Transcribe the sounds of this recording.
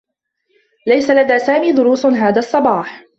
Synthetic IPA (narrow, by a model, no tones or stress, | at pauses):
lajsalad̪aːsaːmiːd̪ʊɾuːsɦaːðaːɑsˤːɑbɑːħ